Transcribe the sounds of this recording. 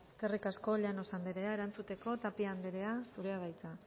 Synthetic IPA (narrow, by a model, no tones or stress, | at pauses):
eske̞rikasko̞ʎano̞sand̪eɾe̞ae̞ɾant͡sut̪e̞ko̞t̪apiand̪eɾe̞asuɾe̞aβajt͡sa